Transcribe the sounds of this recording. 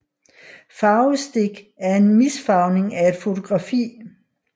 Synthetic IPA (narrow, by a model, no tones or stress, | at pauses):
fɑ̈ʊsd̥eɡ̥ | æɐe̝nmisfɑ̈ʊne̝ŋæe̝d̥fo̝t͡sʰo̝ɡ̥ʁɑ̈fḭː